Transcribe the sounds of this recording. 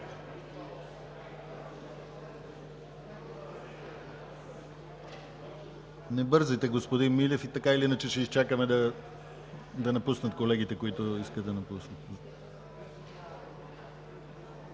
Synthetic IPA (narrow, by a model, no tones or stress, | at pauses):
nɛbɤɾzijt̪ɛɡospod̪inmilʲɛfit̪ɐkailiinət͡ʃɛʃɛist͡ʃakəmɛd̪ɐ | d̪ɐnɐpusnət̪kolɛɡ̟it̪ɛkoit̪ʊiskəd̪d̪ɐnɐpusnət̪